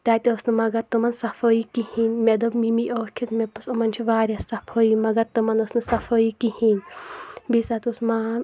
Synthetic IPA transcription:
t̪at̪ʲiosnɨmɐɡɐt̪ːumɐnsɐfʰoikihinmʲed̪obmimiʔoːkʰit̪mepɐsumɐnt͡ʃʰiʋaːɾʲasɐfʰoimɐɡɐt̪ːumɐnɐsnɨsɐfʰojikihinbisat̪usmaː

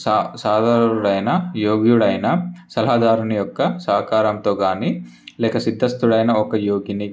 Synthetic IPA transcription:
saːd̪ɐɾɐɾuɽɐjnɐjoːɡjuɽɐjnɐsɐlɐɦaːd̪ʱaːɾɐɳɐjɔkːɐsaːkaːɾɐmt̪o̞ːɡaːni | lɛːkɐsid̪ʱːɐst̪uɽɐjnɐɔkɐjoːɡini

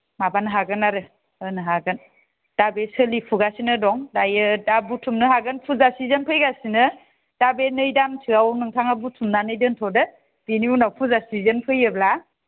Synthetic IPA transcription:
mabanɯɦaɡɯnaɾɯ | ɯnɯɦaɡɯn | d̥abesɯlipʰuɡasinɯdɔŋdajɯdabutʰumnɯɦaɡɯnpʰuzasizənpʰɯjɡasinɯ | d̥abenɯjdamtʰɯawnɯŋtʰaŋabutʰumnanɯjdɯntʰɔdɯ | b̥iniunawpʰuzasizənpʰɯjɯbla

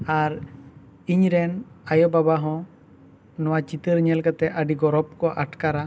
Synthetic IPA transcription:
aɾ | iɲɾɛnajɔbabaɦɔ̃ | nɔwat͡ʃit̪əɾɲɛlkat̪ɛʔəɖiɡɔɾɔp̚kɔʔaʈkaɾa

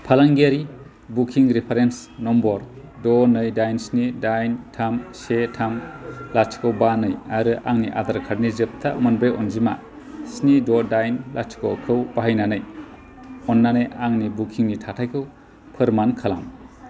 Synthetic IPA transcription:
pʰalaŋɡeɾi | bukʰiŋɾipʰeɾensnɔmbɔɾ | dɔnɯjdajnsnidajntʰamsetʰamlat͡ʃʰi̥kʰɯwbanɯjaɾɯʔaŋniʔa̰daɾkʰaɾnizɯp̚tʰamɯnbejɔ̰nzima̰ | snidɔdajnlat͡ʃʰi̥kɔwkʰɯwbaɦajnanɯj | ɔnːanɯjaŋnibukʰiŋnitʰatʰajkʰɯw | pʰɯɾmankʰala̰m

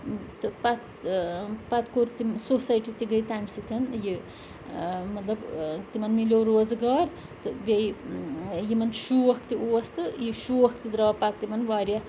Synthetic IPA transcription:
t̪ɨpat̪ | pat̪koɾt̪imsosɐjʈit̪iɡəjt̪amsit̪ʰɐnji | mɐt̪lɐbt̪imɐnmilʲoɾoːzɡaːɾ | t̪ɨbʲɐj | jimɐnʃuʋɐkʰt̪iuɐst̪ɨjiʃuʋɐkt̪id̪ɾɐpat̪t̪imɐnʋaːɾija

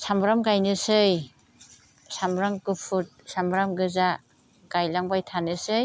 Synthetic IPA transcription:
samɾamɡajnɯsɯj | samɾaŋkɯpʰut̚samɾamɡɯza | ɡajlaŋbajtʰanɯsɯj

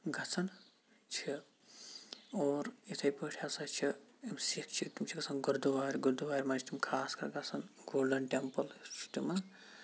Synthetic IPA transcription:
ɡɐt͡sʰɐn | t͡ʃʰi | oːɾet̪ʰɐjpəʈʰjasɐt͡ʃʰiimsikt͡ʃʰit̪imt͡ʃʰiɡɐsʰɐnɡuɾd̪uʋaːɾʲɡuɾd̪uʋaːɾʲmat͡ʃʰit̪imkʰaːskɐɾɡɐt͡sʰɐnɡoːlɖɐnʈempɐlt͡ʃʰi̥t̪ima

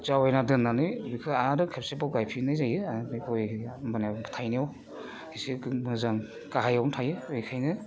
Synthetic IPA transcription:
t͡ʃawɔjnadɯnːanɯjbikʰɯaaɾɯkʰepsebaɡajpʰinɯjzajɯakɔjmanabɯ̥tʰajnijaw | ɡisimɯzaŋ | kaɦajawntʰajɯɯjkʰajnɯ

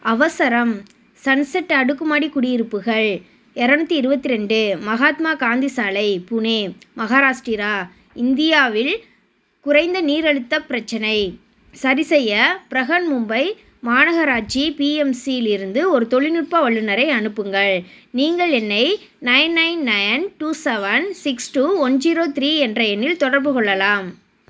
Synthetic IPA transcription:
ɐʋɐsɐɾɐm | sɐnsɐʈːɐɽɯkːɯmaːɽikʊɽɪjɪɾɯpːɯɣɐɭ | ɛɾaːɳɯt̪ːiɪɾɯbɐt̪ːɪɾɛɳɖɯmɐɣaːt̪maːkaːnd̪isaːlɐɪpʊneːmɐɣaːɾaːʂʈiːɾaː | ɪnd̪ɪjaːʋɪl | kʊɾɐɪnd̪ɐniːɾɐɽɯt̪ːɐpɪɾɐt͡ʃːɐnɐɪ | sɐɾɪsɛjːɐpɪɾɐɣɐnmʊmbɐɪ | maːnɐɣɐɾaːt͡ʃipiːɛmsijɪlɪɾɯnd̪ɯɔɾɯt̪ɔɭɪnɯʈ̚pɐʋɐɭːɯnɐɾɐɪɐnɯpːɯŋɡɐɭniːŋɡɐɭɛnːɐɪ | nɐɪnːɐɪnːɐɪnʈuːsɛʋɐnsɪksʈuːɔnd͡ʒiːɾoːt̪ɪɾiːɛndrɐɛnːɪlt̪ɔɽɐɾbɯkɔɭːɐlaːm

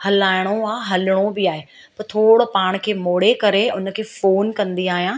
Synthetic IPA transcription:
hɐlaːɪɽ̃oaːɦɐlɽ̃obɪaːɦe | pɐɾt̪ʰoːɽopaːɽ̃kʰeːmoːɽekɐɾeʊnə̆kʰeːfoːnkɐ̃nd̪iaːɦijãː

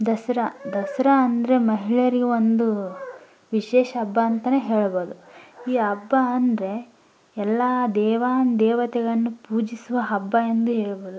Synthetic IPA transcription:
d̪ɐsɾɐd̪ɐsɐɾɐːnd̪ɐɾe̞mɐɦiɭɐɾiɡʋond̪u | ʋiʃeːʃɐːbːɐːnt̪ɐneːɦeːɭbo̞ːd̪uiːɐbːɐːnd̪ɐɾe̞ | ɛlːɐd̪ɛːʋaːnd̪ɛːʋɐt̪ɛɡɐɭɐnːupuːd͡ʒisuʋɐɦɐbːɐend̪uɦeːɭboːd̪u

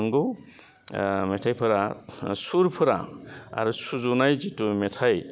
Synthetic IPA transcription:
ŋɡɯw | metʰajpʰɯɾasuɾpʰɯɾa̰a̰ɾusuzunajzitumetʰaj

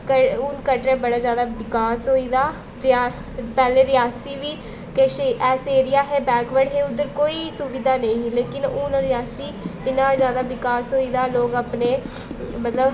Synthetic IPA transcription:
kəʊːnkəʈɾɛːbəɽaːzjaːd̪aːʋɪkaːsɦoːiːd̪aː | ɾɪaː | pɛːleːɾɪjaːsiːʋiː | keʃeʔɛːseːɾɪjaːɦɛːbɛːkʋəɽɦeːʊd̪əɾkoːiːsʊʋɪd̪ʱaːnəĩːleːkɪnʊːnɾɪjaːsiːɪnãːzjaːd̪aːʋɪkaːsɦoːiːd̪aːloːɡəpneː | mət̪ləb

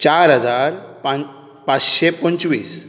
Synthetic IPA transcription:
t͡ɕaɾɦəd͡zaɾpa | pat͡sɕepənt͡ɕʋiːs

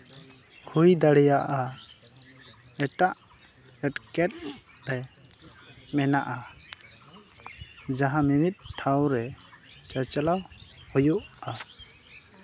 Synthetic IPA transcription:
hujd̪aɽɛjaʔa | ɛʈaʔ | ɛʈkɛʈ̚ | ɾɛ | mɛnaʔa | d͡ʒaɦãmimit̪̚ʈʰawɾɛt͡ʃat͡ʃalawhujuʔa

